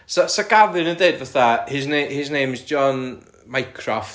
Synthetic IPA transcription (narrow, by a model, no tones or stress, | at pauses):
sɔsaɡavɨnəndeɨdvaθahɪsnehɪsnejmɪzd͡ʒɔn | majkʰrɔft